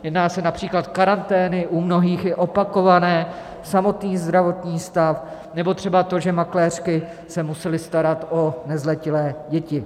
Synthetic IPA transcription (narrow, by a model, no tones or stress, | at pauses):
jɛdnaːsɛnapr̝̥iːklat̪kaɾant̪ɛːnɪʔumno̞ɦiːxɪʔo̞pako̞vanɛː | samo̞t̪niːzd̪ɾavo̞t̪ɲiːst̪af | nɛbo̞t̪r̥ɛbat̪o̞ʒɛmaklɛːr̝̥kɪ | sɛmusɛlɪst̪aɾat̪ʔonɛzlɛcɪlɛːɟɛcɪ